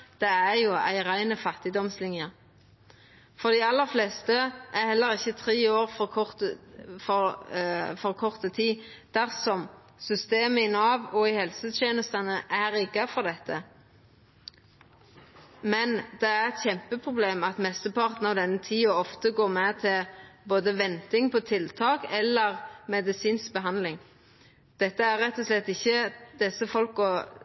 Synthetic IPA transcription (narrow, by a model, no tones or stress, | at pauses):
d̪̥ɛæʁjʊæ̰ɪʁæɪnəfɑt̪ːɪd̪ɔmslɪnjə | fɔʁd̪ɪɑlːəfleːst̪əʔæɾhɛlːəɾɪçːət̪ʰɾeːoːɾfɔkʰɔt̪fɔʁ | fɔʁkʰɔʁt̪ət̪ʰiː | d̪̥æʁsɔm | sʏst̪eːməɪnɑːʋɔɪhɛlsət̪ʰjeːnəst̪ɑnəʔæɾɪkːɑfɔʁd̪ɛt̪ːə | mɛnd̪̥ɛæɾɛt̪çɛmpəpʰɾʁʊbleːmɑt̪mɛst̪əpʰɑʁt̪n̩ɑʋd̪ɛnːət̪ʰiːɔɔft̪əɡoːʁmɛt̪ʰɪboːd̪əʋɛnt̪ɪŋpʰɔt̪ʰɪlt̪ʰɑːkɛlːəʁmɛd̪ɪsiːnsk̚bəɦɑnd̪lɪŋ | d̪̥ɛt̪ːəæɾːɛt̪ːɔslɛt̪ːɪçːəd̪̥ɛsːəfɔlkɔ